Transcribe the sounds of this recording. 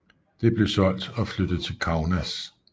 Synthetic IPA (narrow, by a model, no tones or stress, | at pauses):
d̥e̝b̥le̝sɒ̽l̰d̥ɒ̽flød̥ð̩ˠt͡sʰe̝lkʰɑ̈ʊnæs